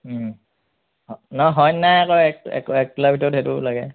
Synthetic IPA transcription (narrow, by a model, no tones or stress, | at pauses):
nɔɦɔjnajakɔɛk̚ɛ̰kɛk̚ːilabʱitɔtetṵlaɡɛ